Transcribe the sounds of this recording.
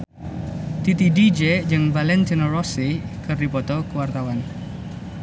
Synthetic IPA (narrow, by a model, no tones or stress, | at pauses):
t̪it̪idid͡ʒɛd͡ʒɨŋvalɛnt̪inɔrɔsikɨrdipɔt̪ɔkuwart̪awan